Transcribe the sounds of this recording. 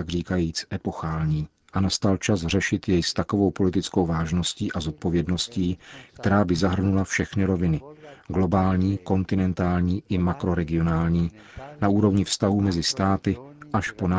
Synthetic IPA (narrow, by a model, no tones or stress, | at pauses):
aɡriːkajiːt͡sʔɛpo̞xaːlɲiː | ʔanast̪alt͡ʃasr̝ɛʃɪt̪jɛjst̪ako̞vo̞wpo̞lɪt̪ɪt͡sko̞wvaːʒno̞sciːʔazo̞t̪̚po̞vjɛdno̞sciːkt̪ɛɾaːbɪzaɦr̩nulafʃɛxnɪɾo̞vɪnɪɡlo̞baːlɲiːko̞nt̪ɪnɛnt̪aːlɲiːʔɪmakɾo̞ɾɛɡɪo̞naːlɲiː | naʔuːɾo̞vɲɪfst̪aɦuːmɛzɪst̪aːt̪ɪʔaʃpo̞na